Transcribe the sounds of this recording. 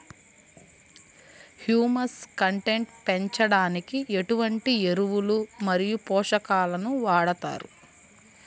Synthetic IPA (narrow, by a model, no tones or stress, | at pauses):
hjuːmɐskɐɳʈe̞ɳʈpe̞ɲt͡ʃɐɽaːnikiʔe̞ʈuʋɐɳʈie̞ɾuʋulumɐɾijupɔːʂɐkaːlɐnuʋaːɽɐt̪a̰ːɾu